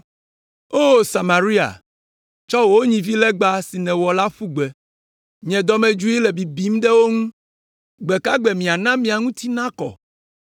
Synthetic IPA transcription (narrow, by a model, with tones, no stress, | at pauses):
o˦sa˨ma˨ɾi˦a̰˨ | t͡ʃɔ˦wo˦ɲĩ˨vi˦lɛ˦ɡ͡ba˦si˨nɛ̃˨wɔ˨la˦ɸu˦ɡ͡bɛ˨ | ɲɛ̃˨d̪ɔ˨mɛ̃˨d͡ʒu˦i˦lɛ˨bi˨bi˦m˦ɖɛ˦wo˦ŋũ˦ | ɡ͡bɛ˨ka˦ɡ͡bɛ˨mĩ˨a˨nã˦mĩ˨a˨ŋũ˦t̪ʰi˦nã˦kɔ̰˨